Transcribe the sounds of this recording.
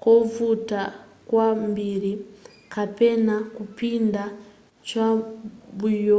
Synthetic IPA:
kovutakwambiɾi | kapɛnakupinda | t͡ʃabujɔ

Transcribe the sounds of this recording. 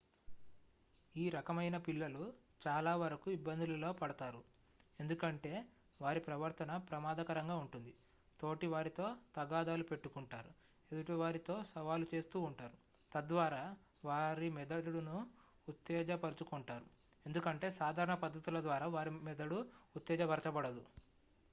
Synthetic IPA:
iːɾɐkɐmɐjnɐpilːɐlu | t͡ʃaːlaːʋɐɾɐkuibːɐnd̪ʱulɐlo̞ːpɐɽɐt̪aːɾu | e̞nd̪ukɐɳʈe̞ː | ʋaːɾipɾɐʋɐɾt̪ɐnɐpɾɐmaːd̪ɐkɐɾɐŋɡaːuɳʈund̪i | t̪o̞ːʈiʋaːɾit̪o̞ːt̪ɐɡaːd̪aːlupe̞ʈːukuɳʈaːɾu | ed̪uʈoʋaːɾit̪o̞ːsɐʋaːlut͡ʃe̞ːst̪uːuɳʈaːɾu | t̪ɐd̪ʋaːɾaː | ʋaːɾimɛd̪ɐɽuɽunuː | t̪ːɛːd͡ʒɐpɐɾut͡ʃukuɳʈaːɾu | e̞nd̪ukɐɳʈe̞ːsaːd̪ʱaːɾɐɳɐpɐd̪ːɐt̪ulɐd̪ʋaːɾaːʋaːɾimɛd̪ɐɽuːt̪ːɛːd͡ʒɐʋɐɾɐt͡ʃɐbɐɽɐd̪u

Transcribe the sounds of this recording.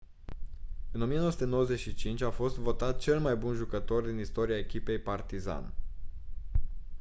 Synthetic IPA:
ɨno̞mijenowəsu̥t̪enowəze̞t̪ʃit͡ʃint͡ʃʲafo̞st̪vo̞t̪at̪̚t͡ʃe̞lmajbunʒukət̪o̞rd̪inist̪o̞ɾiae̞kʲipe̞jpart̪iza̰n

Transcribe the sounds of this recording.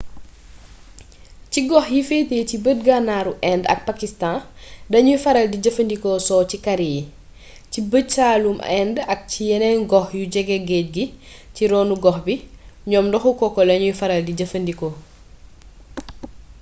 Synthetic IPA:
ciɡɔxjifeːteːcibət̚ɡanaːɾuʔɛndɐ̰k̚pɐkistãdɐɲujfɐɾɐldiɟɐfɐndikɔsɔːcikɐɾiji | cibət͡ʃaːlumɛndɐk̚cijɛnɛnɡɔxjuɟɛɡɛɡɛːc̚ɡiciɾɔːnuɡɔxbiɲɔːmdɔxukɔkːɔlɐɲujfɐɾɐldiɟɐfɐndikɔ

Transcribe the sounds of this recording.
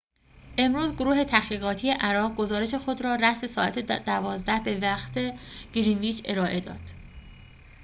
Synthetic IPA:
ʔe̞mɾuːzɡoɾuːɦe̞t̪ʰæχiːɣɒːt̪ʰije̞ʔæɾɒːʁɡo̞zɒːɾe̞ʃe̞xo̞d̪ɾɒːɾæse̞sɒːæ̰t̪ʰed̪ævɒːzd̪æhbe̞væxt̪ʰe̞ɡ̥iɾinviːt͡ʃʰe̞ɾɒːʔe̞d̪ɒ̰ːd̪̥

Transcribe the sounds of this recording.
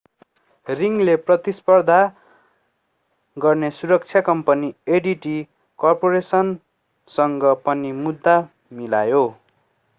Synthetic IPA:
riŋleprʌt̪ispʌrd̪ʱa | ɡʌrnesuɾʌk̚t͡sʰjakʌmpʌnieɖiʈi | kʌrpoɾesʌn | sʌŋɡʌpʌnimud̪ʱːa | milajo

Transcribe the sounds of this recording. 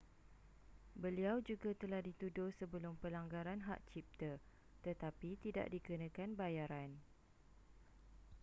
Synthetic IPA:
bəliawd͡ʒuɡat̪əlahdit̪udʊhsəbəlʊmpəlaŋɡaɾanɦa̰ʔt͡ʃip̚t̪ə | t̪ət̪apit̪ida̰ʔdiɡənãkanbajaɾan

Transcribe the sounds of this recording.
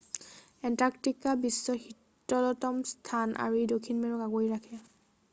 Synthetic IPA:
ɛntaktikabisːɔxitːɔlɔtɔmstʰanʔa̰ɹuejdokʰinmeɹɔkaɡojɹakʰɛ

